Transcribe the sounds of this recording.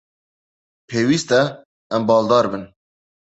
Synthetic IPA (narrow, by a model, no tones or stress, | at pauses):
pʰeːwist̪ɛ | ɛmbɑːld̪ɑːɾbɨn